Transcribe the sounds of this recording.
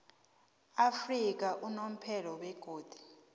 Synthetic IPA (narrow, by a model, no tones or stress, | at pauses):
afrik̬aʔunom̩pʰɛlɔwɛɡ̥ʱoːd̥ʱi̥